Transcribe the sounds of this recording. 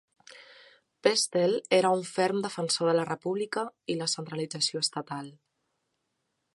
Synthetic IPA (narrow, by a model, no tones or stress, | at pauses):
pɛst̪eleɾəuɱfɛɾmd̪əfənsoðələrəpuβlikəiləsənt̪ɾəlid͡zəsioəst̪ət̪alˠ